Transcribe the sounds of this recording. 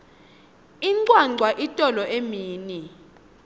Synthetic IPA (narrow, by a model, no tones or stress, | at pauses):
iŋǀwaǀʱwaʔitʼɔlɔʔemiːni